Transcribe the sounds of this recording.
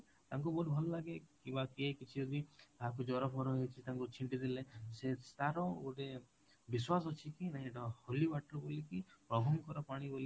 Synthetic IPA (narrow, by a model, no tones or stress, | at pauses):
t̪aŋk̬ubɔuʈbʱɔlɔlaɡekĩbakiejkit͡ʃʰiɔd̪it̪aɦakud͡ʒɔɾɔpʰɔɾɔɦejt͡ʃʰit̪aŋkut͡ʃʰiɳʈid̪ilesest̪aɾɔoʈe | biswas̬ɔt͡ʃʰikinaɦĩeʈɔholibaʈɾɔbolikipɾɔbʱɔmkɔɾɔpaɽ̃iboli